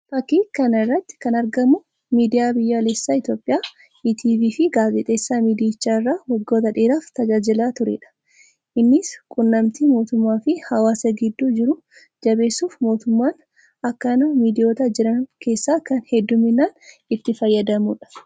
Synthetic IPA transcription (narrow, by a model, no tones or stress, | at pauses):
fɐkiːkɐnɪrːɐt̪ːɪ̥kɐnɐɾɡɐmʊ | miːd̪ɪjaːbɪjːaleːsːaːɪt̪jo̞ːpʼɪjaː | iːt̪ʰiːviːfɪɡaːfɪt̪ʼe̞ːsːaːmiːd̪ɪɪt͡ʃːaːɪrːaːwɔɡːo̞ːt̪ɐᶑeːɾaːft̪ɐd͡ʒaːd͡ʒɪlaːt̪ʊɾḛːᶑɐ̥ | ʔɪnːɪskʼʊnːɐmt̪iːmo̞ːt̪ʊmːaːfɪhɐwaːsɐɡɪd̪ːuːd͡ʒɪɾʊ | d͡ʒɐbe̞ːsːuːfmo̞ːt̪ʊmːaːn | ɐkːɐnɐmiːd̪ɪjo̞ːt̪ɐd͡ʒɪɾɐnkʰe̞ːsːaːkɐnhɛd̪ːʊmɪnːaːn | ɪt̪ːɪfɐjːɐd̪ɐmuːᶑɐ̥